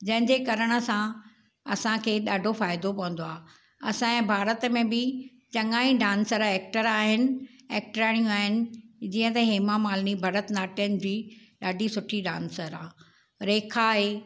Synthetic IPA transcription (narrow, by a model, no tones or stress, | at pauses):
d͡ʑɐ̃ɦɪ̃ɲd͡ʑekɐɾəɽ̃ə̆sã | ɐsãkʰeːɗaːɖʱofaːɪd̪opɐ̃ʋə̃nd̪oaː | ɐsãɛ̃bʱaːɾət̪mẽbɪ | t͡ɕɐŋaːĩɖãːnsəɾɛːk̚ʈəɾaːɦɪnɪ̆ɛːk̚ʈɾaːɽ̃ijũaːɦɪnɪ̆d͡ʑiːə̃t̪ɐɦeːmamaːlnibʱɐɾət̪naːʈijənɪ̆d͡ʑiː | ɗaːɖʱisʊʈʰiɗã̰ːnsəɾaː | ɾeːkʰaɦeː